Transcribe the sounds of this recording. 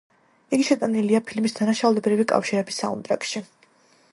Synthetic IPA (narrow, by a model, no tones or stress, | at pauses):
iɡiʃɛt̪ʼaniliapʰilmisd̪anaʃaulɛbɾivikʼa̰fʃiɾɛbisːa̰ṵnd̪ʼɾa̰kʃi